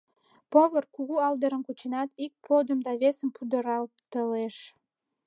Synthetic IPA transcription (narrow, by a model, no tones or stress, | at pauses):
poβərkuɣuɑld̪əɾənkut͡ɕenɑt̪ik̚pʰod̪əmd̪ɑβesəmpud̪əɾɑlt̪əleʃ